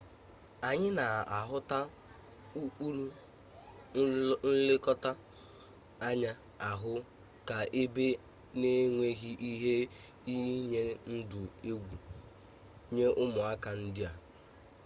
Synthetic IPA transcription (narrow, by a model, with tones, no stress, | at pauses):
a˨ɲɪ˦na˨a˨ɦʊ˦ta˦ | u˦k͡pu˦ɾu˦ | n̩˦le˦kɔ˦ta˦ | a˦ɲa˦ | a˨ɦʊ˦ | ka˨ʔe˦be˦ | ne˦ŋʷe˦ɣi˦ʔi˦ɦe˦ | i˦ɲe˦n̩˦dʊ˨e˦ɡʷu˨ | ɲe˦ʔʊ˦mʊ˨a˦ka˨n̩˦dɪ˦a˨